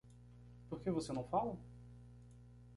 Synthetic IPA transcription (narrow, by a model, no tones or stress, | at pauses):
puχkevosenɐ̃w̃falɐ